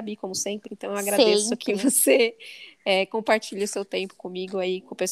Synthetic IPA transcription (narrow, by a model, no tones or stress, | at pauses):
abikõmʊsẽpɾɪẽnt̪ɐ̃w̃ewaɡɾad̪esʊkʰɪvose | ɛkõpaɾt͡ʃiʎɐʊsewt̪ẽpʊ̥kõmiɡʊaikõpes